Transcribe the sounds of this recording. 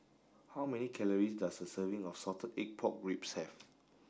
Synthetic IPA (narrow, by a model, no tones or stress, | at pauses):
hawmɛnikʰɛləɹisdasdəsəvĩŋɔfsɔtʰədɛk̚pʰɔk̚ɡɹupshɛv